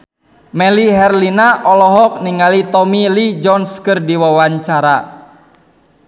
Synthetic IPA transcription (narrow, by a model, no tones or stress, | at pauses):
mɛliɦɛrlinaʔɔlɔɦɔk̚niŋalit̪ɔmilid͡ʒɔnskərdiwawaɲt͡ʃaɾa